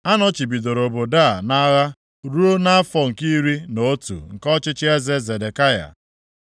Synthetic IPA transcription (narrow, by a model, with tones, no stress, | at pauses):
a˦nɔ˦t͡ʃi˨bi˨do˨ɾo˨bo˨da˦˨na˦ɣa˦ | ɾu˦o˦na˦a˦fɔ˨ŋ̩˨ki˦ɾi˦no˨o˦tṵ˨ŋ̩˨kɔ˦t͡ʃɪ˦t͡ʃɪ˦e˦ze˦ze˨de˨ka˦ja̰˨